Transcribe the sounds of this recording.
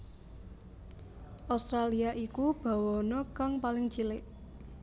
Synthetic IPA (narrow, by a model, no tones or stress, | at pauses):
ʔawst̪ɾaliaʔikub̥a̤wɔnɔkaŋpalɪŋt͡ʃilɪʔ